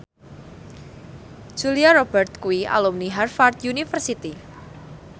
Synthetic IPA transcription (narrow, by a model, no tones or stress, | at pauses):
d͡ʒ̥uliaɾɔbərt̪̚kuiʔa̰lomniɦarfart̪junifərsit̪i